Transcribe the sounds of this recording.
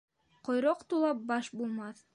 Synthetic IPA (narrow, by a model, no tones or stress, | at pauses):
qʰŏjɾoqt̪ulˠɑp̚bɑʃbulˠmɑθ